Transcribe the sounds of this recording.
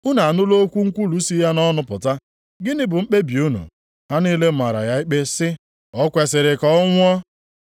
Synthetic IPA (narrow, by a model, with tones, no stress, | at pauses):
ʊ˦na˨a˨nʊ˦lo˦kʷu˦ŋ̩˦kʷu˦lu˨˦si˦ja˦nɔ˦nʊ˨pʊ˨ta˦ | ɡɪ˦nɪ˦bʊ˨ŋ͡m̩˦k͡pe˦bi˨u˦nṵ˨ | ha˦niː˦le˦ma˨ɾa̰˨ja˦i˦k͡pe˦sɪ˦ | ɔ˦kʷe˨sɪ˨ɾɪ˨kɔ˦ŋʷ˦ɔ˦